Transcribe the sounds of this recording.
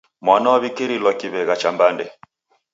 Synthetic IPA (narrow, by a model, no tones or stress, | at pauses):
mwanaaβikɛɾilɔkiβɛɣat͡ʃambandɛ